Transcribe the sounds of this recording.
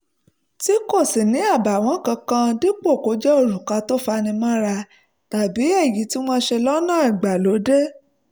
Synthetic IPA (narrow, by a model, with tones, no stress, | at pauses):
ti˦ko˦˨si˨nĩ˨˦a˦˨ba˨w̃ɔ̃˨˦kã˧kã˧di˦k͡po˦˨ko˨˧˦d͡ʒɛ˦o˦˨ɾu˨ka˧to˦fa˧nĩ˧mã˦ɾa˧ | ta˨bi˨˦ɛ˦˨ji˨˦ti˦w̃ɔ̃˧ʃe˧lɔ˦nãː˦˨i˨ɡ͡ba˨lo˨˦de˦